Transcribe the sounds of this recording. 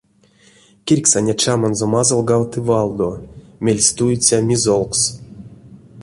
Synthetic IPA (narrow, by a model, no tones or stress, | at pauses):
kʲirʲksanʲat͡ʃamanzomazolˠɡawt̪ɨvɑlˠd̪omʲelʲsʲt̪ujut͡sʲamʲizolˠks